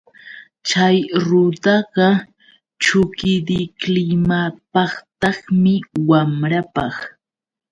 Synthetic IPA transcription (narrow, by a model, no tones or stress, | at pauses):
t͡ʃajɾʊt̪ɑɢɑ | t͡ʃʊkɪd̪ɪklɪmapɑχt̪ɑχmɪwamɾapɑχ